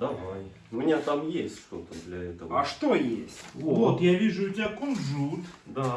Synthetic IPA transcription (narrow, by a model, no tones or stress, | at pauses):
d̪ɐvaj | ʊmʲɪnʲat̪amjesʲtʲʂt̪o̞t̪əd̪lʲɐɛt̪əvaʂt̪o̞jesʲtʲvvot̪javʲiʐʊʊtʲɪbʲakonʐut̪d̪a